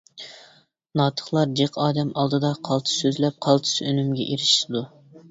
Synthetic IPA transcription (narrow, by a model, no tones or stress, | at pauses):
nɑːt̪ʰə̥χlˠɑɾd͡ʒeqʰɑːd̪ɛmɑlˠd̪ɨd̪ɑqʰɑlˠt̪ʰɨ̥søzlɛp̚qʰɑlˠt̪ʰɨ̥sønymɡʲɛ̰ʔiɾɪʃlɨd̪u